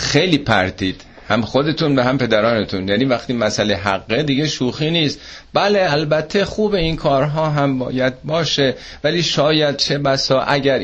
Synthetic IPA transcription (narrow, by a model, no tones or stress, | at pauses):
xejliːpʰæ̰ɾt̪ʰiːd̪̥ | hæmxod̪e̞t̪ʰuːnvæɦæmpe̞d̪æɾɒːne̞t̪ʰunjæːniːvæxt̪iːmæsæleɦæɡːed̪iːɡeʃuːxiːniːst̪bæle̞ælbæt̪ʰːe̞xuːbe̞inkʰɒːɾɦɒːɦæmbɒ̰ːjæd̪̚bɒːʃe | væliːʃɒːjæd̪̥̚t͡ʃʰe̞bæsɒːʔæɟæɾ